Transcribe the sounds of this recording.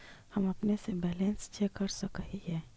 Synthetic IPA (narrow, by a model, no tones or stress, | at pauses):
həmɐpnesebɛːlẽnst͡ʃekːəɾsəkəɦiɦɛː